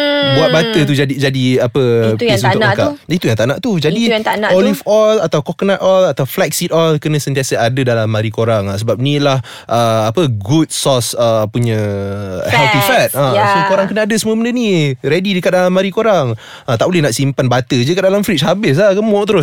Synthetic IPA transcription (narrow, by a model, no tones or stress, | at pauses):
buat̪̚bat̪ət̪ud͡ʒadid͡ʒadiapəitst̪ʊakap̚it̪ujaŋt̪aʔnaʔt̪ud͡ʒadit̪anaʔɔlifɔlat̪awkɔknaʔ̪ɔlat̪awflɛk̚sit̪ɔlkənə̃sənt̪iasəadədalamːaɾikoɾaŋasəbap̚nĩlah | ʔəapəɡut̚sɔsəpuɲə̃ | hɛlt̪ifɛt̪̚asokoɾaŋkənaadəsəməbəndəniɾedidəkat̪̚dalamːaɾikoɾaŋ | at̪aʔbolɛhnaʔsimpanbat̪əd͡ʒəkat̪̚dalamfɾit͡ʃɦabɪs̬lahkəmot̪əɾʊs